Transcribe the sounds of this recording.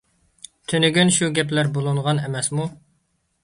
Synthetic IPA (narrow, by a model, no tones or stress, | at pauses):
t̪ʰønɪɡʲynʃuɡʲɛplæɾbolˠuɴʁɑnemɛsmu